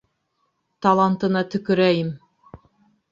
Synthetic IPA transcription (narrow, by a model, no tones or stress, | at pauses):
t̪ɑlˠɑnt̪ɤ̆nɑt̪ɵ̆kɵ̆ɾæjɘm